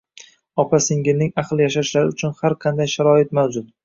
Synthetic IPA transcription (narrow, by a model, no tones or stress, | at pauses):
ɒpʰasɪŋɡʲɪnɪŋaqlˠjaʃaʃlaɾɪʊt͡ʃʰʊnhaɾqʰɑnd̪ajʃaɾɒɪt̪mawd͡ʒʊt̪̚